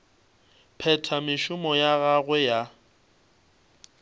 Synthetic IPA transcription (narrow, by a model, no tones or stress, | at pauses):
pʰɛtʰamɪʃʊmɔjaɣaɣwɛja